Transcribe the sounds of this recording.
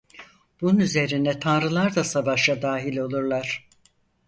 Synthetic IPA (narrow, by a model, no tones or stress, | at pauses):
b̥ununyze̞ɾinɛt̪ʰanɾɯlˠaɾd̪asavaʃad̪aːɦilʲo̞lˠuɾlˠaɾ̥